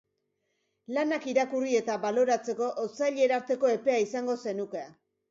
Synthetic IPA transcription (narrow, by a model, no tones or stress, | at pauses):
lanakiɾakurie̞t̪aβalo̞ɾat͡se̞ko̞ʔosajʎe̞ɾaɾt̪e̞ko̞e̞pe̞aisaŋɡo̞se̞nuke̞a